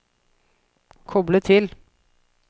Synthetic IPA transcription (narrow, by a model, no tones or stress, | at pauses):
kʰɔblət̪ʰɪl